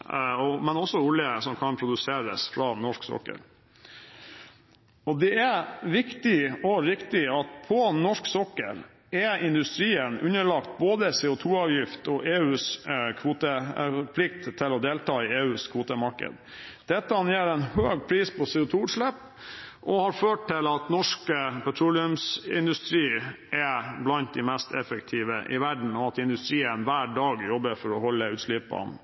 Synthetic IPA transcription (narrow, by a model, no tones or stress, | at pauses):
ɔmɛnɔsːɔʊljəsɔmkʰɑnpʰɾʊd̪ʉseːɾəsfɾɑnɔʂksɔ̰kːə̰ɾ | ɔd̪ɛæʋɪkt̪ɪɔɾɪkt̪ɪɑt̪̚pʰɔnɔʂksɔkːə̰ɾ | ɛʔɪnd̪ʉst̪ɾiːənʉnəɭɑkt̪̚boːd̪əseːʊt̪ʰuːɑːʋjɪft̪ɔʔeːʉːskʰʋuːt̪əpʰlɪk̚t̪ʰːɪlɔd̪eːlt̪ʰɑːɪeːʉːskʰʋuːt̪əmɑɾkə̰d̪ | d̪̥ɛt̪ːəɑnjeːɾɛnhøːɡpʰɾiːspʰɔsɛːʊt̪ʰuːʉʈʂɭæpː | ʔɔhɑɾføːʈ̚ʰːɪlɑt̪nɔʂkəpʰæʈ̪ʰɾuːlɪʉmsɪ̰nd̪ʉst̪ɾiːʔɛblɑnt̪̚d̪ɪmɛst̪ʰɛfəkt̪ʰiːʋəʔɪ̰ʋæɖɳ̩ɔɑt̪ɪnd̪ʉst̪ɾiːənʋæːɖɑːɡjɔbəɾfɔɾɔhɔlːəʉːt̪ʂlɪpɑ̰n